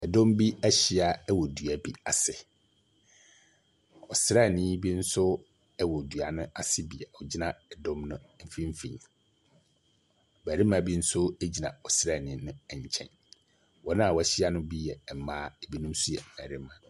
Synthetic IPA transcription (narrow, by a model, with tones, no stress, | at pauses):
ɛ˨dɔ̃˦mbi˦æ˦ɕi˦a˨ɛ˦wɔ˨du˨a˦bi˨a˨sɪ˨ | ɔ˨sɾa˦˨nɪ̃˦bi˦n̩˦sʊ˦ | ɛ˦wɔ˨du˨a˨nʊ̃˦a˨sɪ˦bi˨ɛ˨ɔ˨d͡ʑi˦nã˨ɛ˨dɔ̃˦mnʊ̃˦m̩˦fĩ˦m̩˦fḭ̃˨n˨ | bæː˨ɾi˦mã˨bi˦n̩˦sʊ˦e˦d͡ʑi˨nã̰˨ɔ˨sɾa˦˨nɪ̃˨˦nʊ̃˦ɛ˨ɲ˨t͡ɕʰɛ̰̃˦n | wʔɔ˦nã˦a˨wɔ˨æ˦˨ɕi˦a˦nʊ̃˦bi˦jɛ˨m˨mãː˦ɛ˨bi˦nũ˦msu˦jɛ˨mæ˨ɾɪ˦mã˨